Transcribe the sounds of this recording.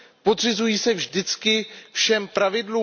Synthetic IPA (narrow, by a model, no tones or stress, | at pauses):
pod̪r̝ɪzujiːsɛvʒdɪt͡skɪfʃɛmpɾavɪdluː